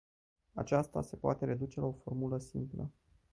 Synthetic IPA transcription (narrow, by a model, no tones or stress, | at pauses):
a̰t͡ʃast̪a̰se̞poat̪e̞ɾe̞d̪ut͡ʃe̞lao̞fo̞rmuləsimplə̰